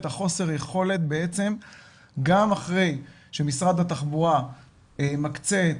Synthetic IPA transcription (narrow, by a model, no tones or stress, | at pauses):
t̪aχo̞se̞ʁajeχo̞le̞t̪̚beet͡se̞m | ɡamaχʁe̞j | ʃemisʁad̪at̪aχbuʁa | emakt͡set